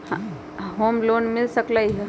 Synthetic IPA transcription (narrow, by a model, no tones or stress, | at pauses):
hã | ɦoːmloːnmɪlsəklaiɦɛ